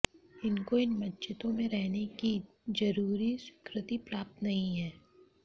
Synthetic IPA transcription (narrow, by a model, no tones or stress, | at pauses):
ɪnkoɪnmɐtːʃʰɪt̪õmẽɾɛɦneki | zɐɾuːɾiswɪ̥kɾɪt̪ipɾaːp̚t̪nɐɦĩɦɛː